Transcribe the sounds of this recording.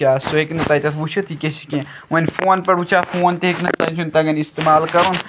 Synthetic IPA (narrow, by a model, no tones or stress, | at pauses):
aːsoɦeknɐt̪ɐːjt̪ɐt̪ʰʋut͡ʃʰɐt̪ʰikʲesi̥kẽ | ʋɐnʲfoːnpɐɾut͡ʃʰafoːnt̪eeknɐt̪ɐnt͡ʃʰunt̪ɐɡɐnist̪emaːlkɐɾun